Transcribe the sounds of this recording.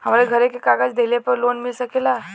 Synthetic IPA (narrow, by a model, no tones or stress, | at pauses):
həmɾeɡʱəɾekekaɡad͡ʒd̪elepəɾlonmilsəkela